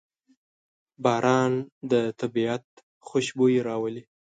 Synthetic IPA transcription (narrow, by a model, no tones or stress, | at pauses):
bɑːɾʔɑnd̪ət̪abiat̪ | xoʃbojeɾɑwəli